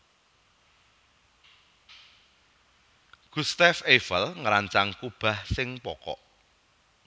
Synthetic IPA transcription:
ɡ̥ust̪afefəlŋəɾaɲt͡ʃaŋkub̥a̤hsɪŋpɔkɔ̰ʔ

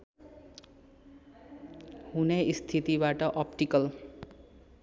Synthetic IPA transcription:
hunejst̪ʰit̪ibaʈʌʔʌp̚ʈikʌl

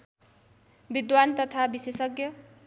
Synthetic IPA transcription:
bid̪want̪ʌt̪ʰabisesʌɡjʌ

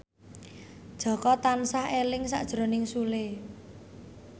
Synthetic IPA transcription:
d̥ʒ̥ɔ̤kɔt̪ansahelɪŋsa̰ʔd̥ʒ̥ɾo̤nɪŋsule

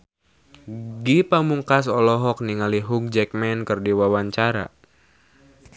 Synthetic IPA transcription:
ɡipamuŋkasɔlɔɦɔk̚niŋaliɦuk̚d͡ʒɛk̚mɛnkərdiwawaɲt͡ʃaɾa̰

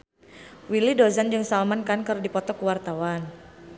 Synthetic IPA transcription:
wilidozand͡ʒɨŋsalmankankɨrdipɔt̪ɔkəwart̪awan

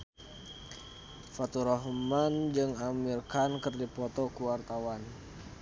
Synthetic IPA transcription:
fat̪uɾɔɦmand͡ʒɨŋamirkankərdipɔt̪ɔkuwart̪awan

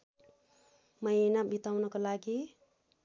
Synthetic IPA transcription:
mʌjnabit̪awnʌkolaɡi

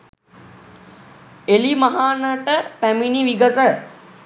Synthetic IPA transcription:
elimaɦaːnəʈəpæminiʋiɡəsə

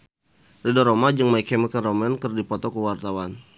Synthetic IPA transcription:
ridɔɾomad͡ʒəŋmaikɛməkənrɔmɛnkərdipɔt̪ɔkəwart̪awan

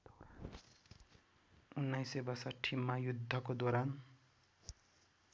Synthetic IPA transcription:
unːajsebʌrsʌʈʰimːajud̪ʱːʌkod̪oɾan

